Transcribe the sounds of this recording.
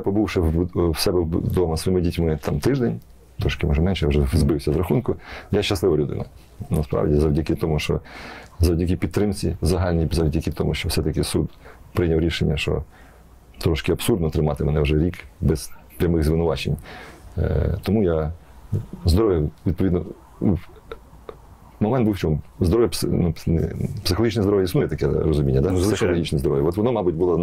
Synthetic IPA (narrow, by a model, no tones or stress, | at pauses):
japɔbuwʃɛwsɛbɛd̪ɔmɐsʋɔjimɪdʲitʲmɪt̪ʰɑmt̪ɪʒd̪enʲ | t̪ɾɔʃkɪmɐ̰ʒɛmɛnʃɛjawʒɛzbɪwsʲɐzɾɐxunkʊjaʃt͡ʃːɐslˠɪʋɐlʲʊd̪ɪ̰nɐ̰ | nɐspɾɑ̰wdʲizɐwdʲɐkʲɪt̪ɔmuʃt͡ʃɔ̰zɐwdʲɐk̬ʲipʲid̪̚t̪ːɾɪmt͡sʲḭzɐɦɑlʲnʲizɐwdʲɐkʲɪt̪ɔmuʃt͡ʃɔwsɛt̪ɐkʲɪsud̪pɾɪjnʲɐwɾʲiʃenʲːɐʃt͡ʃɔ̰ | t̪ɾɔʃkɪɐpsurd̪nɔt̪ɾɪmɑt̪ɪmɛnɛwʒɛɾʲikbɛz̥pɾʲɐmɪɣzʋɪnʊʋɑt͡ʃḛnʲ | t̪ɔmuja | zd̪ɔɾɔʋjɐʋʲid̪̚pɔʋʲid̪nɔ | mɔmɛnt̪̚buwt͡ʃɔmzd̪ɔɾɔʋjɐpsnupsɪxlˠɦit͡ʃʲnɛzd̪ɔɾɔʋjɐisnujɛt̪ɐkɛ̰ɾɔzʊmʲinʲːɐd̪asɪxɔlɔɦʲit͡ʃnɛzd̪ɔɾɔʋjɐɔt̪ʋɔnɔmɑbʊtʲbʊlˠɔ